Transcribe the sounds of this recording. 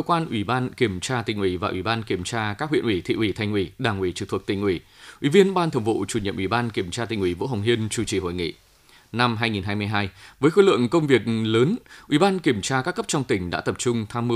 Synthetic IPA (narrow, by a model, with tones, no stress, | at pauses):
kə˧kwaː˧nʔwi˧˩ɓaː˧nki˧˩əmt͡ɕaː˧t̪ï˨˩ŋ̟ʔwi˧˩vaː˨˩ʔwi˧˩ɓaː˧nki˧˩əmt͡ɕaː˧kaː˦˥k̚w̰ənʔwi˧˩t̪ʰḭ˧˨ʔwi˧˩t̪ʰa˧jŋ̟ʔwi˧˩ɗaː˧˩ŋʔwi˧˩t͡ɕɨ˨˧˩t̪ʰə˨˩k̚t̪ï˨˩ŋ̟ʔi˧˩ | ʔwḭ˧˩vi˧ənɓaː˧nt̪ʰə˧˩wŋ͡mvo̰˧˨t͡ɕu˧˩ɲə̰˧˨mʔwi˧˩ɓaː˧nki˧˩əmt͡ɕaː˧t̪ï˨˩ŋ̟ʔwi˧˩vo̰˧˥ha˨˩wŋ͡mɦi˧ənt͡ɕu˧˩t͡ɕi˧˩ho̰˧˨jŋḭ˧˨ | na˧mɦaː˧jŋi˨˩nɦaː˧jmɨ˧əjɦaː˧jvəː˨˦jxo˧˦lɨ̰˧˨əŋkə˧wŋ͡mvi˨˩ək̚ləː˨˦nʔwi˧˩ɓaː˧nki˧˩əmt͡ɕaː˧kaː˦˥kːə˦˥p̚t͡ɕɔ˧wŋ͡mt̪ï˧˩ŋ̟ɗa̰ː˧˥t̪ə˨˩p̚t͡ɕʊ˧ŋ͡mt̪ʰaː˧mːɨ˧